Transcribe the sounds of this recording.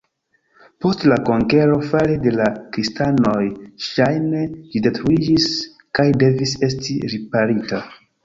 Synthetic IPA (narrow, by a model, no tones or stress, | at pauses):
po̞stlako̞ŋke̞ɾo̞falede̞lakɾistano̞jʃajne̞d͡ʒide̞tɾuid͡ʒis | kajde̞vise̞stiɾipaɾita